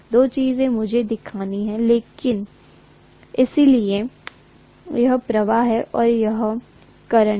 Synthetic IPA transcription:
d̪oːt͡ʃiːzẽmʊd͡ʒʱed̪ɪkʰaːniɦɛ̃leːkɪn | ɪsilie | jɐɦpɾɐʋaːɦɛʔɔːɾjɐɦ | kɐɾə

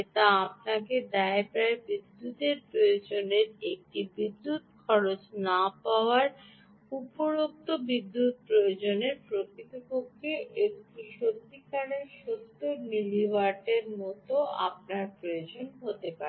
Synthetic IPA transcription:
et̪aapnaked̪ɛepaɾebid̪ːut̪eɾpɾojod͡ʑoneɾek̚ʈibid̪ːut̪kʰɔɾot͡ɕnapaoaɾ | upoɾok̚t̪obid̪ːut̪̚pɾojod͡ʑoneɾpɾokit̪okokːeekʈuʃot̪ːikaɾeɾʃot̪ːoniliʋaʈeɾmɔt̪oʔa̰p̚naɾpɾojod͡ʑonɦot̪epaɾ

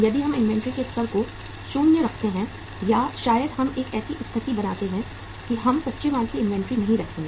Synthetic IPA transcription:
jɐd̪iɦɐmɪ̃nʋɛ̃ɳʈɾikeɐssɐɾko | ʃuːnjəɾɐkʰt̪eɦɛ̃ | jaʃaːjəd̪ɦɐmeːkɛːsiʔʊst̪ʰːət̪ibɐnaːt̪eɦɛ̃ | kiɦɐmsɐtːʃɪmaːlkiɪ̃nʋɛ̃ɳʈɾinɐɦĩɾɐk̪ʰẽ

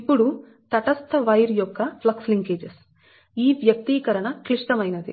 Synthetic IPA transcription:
ipːuɽu | t̪ɐʈɐst̪ɐʋɐjɾjɔkːɐplɐksliŋkeːd͡ʒes | iːʋjɐk̚t̪iːkɐɾɐɳɐkɾiʂʈ̪ɐmɐjnɐd̪ḭ

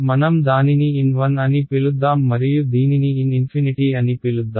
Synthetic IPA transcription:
mɐnɐmd̪aːniniinʋɐnɐnipilud̪ːaːmːɐɾijud̪iːniniːninpʰiniʈiːɐnipilud̪ːaː

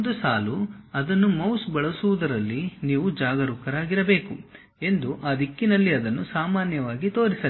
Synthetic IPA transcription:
nd̪usaːluɐd̪ɐnːumɐwsbɐɭɐsuʋud̪ɐɾɐlːiniːʋud͡ʒaːɡɐɾukɐɾaːɡiɾɐbe̞ːku | e̞nd̪uʔaːd̪ikːinɐlːiɐd̪ɐnːusaːmaːnjɐʋaːɡit̪o̞ːɾisɐ

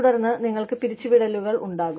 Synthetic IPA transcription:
ɽɐrnːɨniŋːɐɭkɨpiɾit͡ɕːuʋiɽɐluɣɐɭṵɳɖaːɣu

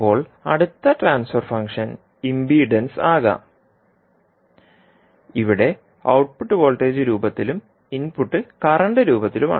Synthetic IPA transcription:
pːo̞ːɭɐ̰ɽut̪ːɐʈraːnsfɐrfɐŋkʂɐn | imbiːɖɐnsaːɣɐ̰ | iʋiɽe̞ | ɐwʈ̚puʈːɨʋo̞ːɭʈːe̞ːd͡ʑɨɾuːbɐt̪ːilum | inpuʈːɨkɐɾɐɳɖɨɾuːbɐt̪ːiluma̰ː

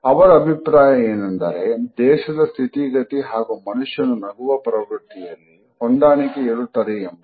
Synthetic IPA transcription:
ɐʋɐɾɐːbʱipɾaːjɐeːnɐnd̪ɐ̰ɾed̪ɛːʃɐd̪ɐst̪ʰit̪iɡɐt̪iɦaːɡumɐnuʂjɐnunɐɡuʋɐpɾɐʋɾut̪ːijɐlːi | ond̪aːɳikeeɭut̪ɐɾijɐmbɐ

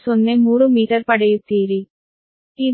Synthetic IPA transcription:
sonːemuːɾumiːʈɐɾpɐɽɐjut̪ːiːɾi | t̪i

